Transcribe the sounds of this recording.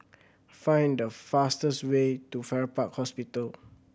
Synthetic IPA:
fãj̃ndəfastəswetufɛɹəpakhɔspitəl

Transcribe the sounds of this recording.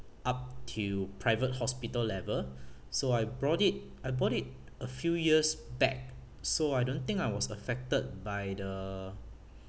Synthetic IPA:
ʔap̚tʰupʰɹaɪvət̚hɔspitəllɛvəl | soajbɹɔtit̚ | ajbɔtit̚ | əfjujiəsbɛ̰k̚ | soajdõnt̪ɪ̃ŋkajwɔsəfɛk̚təd̚bajdə

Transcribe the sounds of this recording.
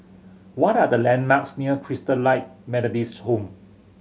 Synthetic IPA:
wɔtadəlɛ̃nmaksniəkʰɹistəlaɪt̚mɛlɔdisthõm

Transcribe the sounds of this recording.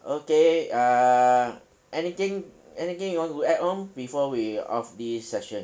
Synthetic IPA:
ʔokea | ʔɛnit̪ɪ̃ŋ | ɛnit̪ɪ̃ŋjiwɔ̃ntuɛt̚hõmbifɔwiɔ̰fdisːɛʃə̃n

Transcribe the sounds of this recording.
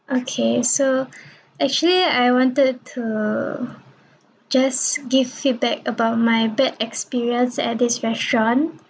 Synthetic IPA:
ʔokʰeso | ɛk̚t͡ʃuəliajwɔ̃ntəd̚tʰu | d͡ʒasɡivfit̚bɛkəbaʊt̚majbɛtɛkspiɹiə̃nsɛ̰t̚disɹɛstɹɔ̃n

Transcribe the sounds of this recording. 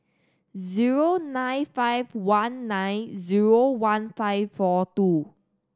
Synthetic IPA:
ziɹonãj̃nfajvwãnːãjnziɹowãnfaɪffɔtu

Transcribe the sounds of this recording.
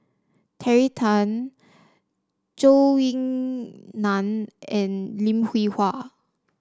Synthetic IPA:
tʰɛɹitʰə̃n | t͡ʃowĩŋ | nãnɛ̃nlĩmhwihwa

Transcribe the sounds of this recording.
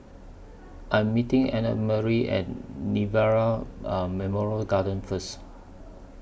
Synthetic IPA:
ʔãj̃mːitĩŋɛnə̰t̚məɹiʔɛ̰̃t̚nivɛɹamɛmɔɹəlɡadə̃nfəs

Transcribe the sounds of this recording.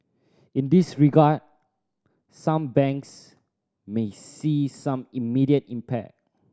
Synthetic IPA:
ĩndisɹiɡad̚ | sãmbɛ̃ŋks | mesisãmimiɾiətĩmpʰɛ̰k̚

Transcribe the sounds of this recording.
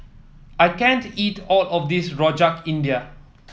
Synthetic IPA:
ajkɛ̃ntitɔlɔfdisɹɔd͡ʒakĩndia

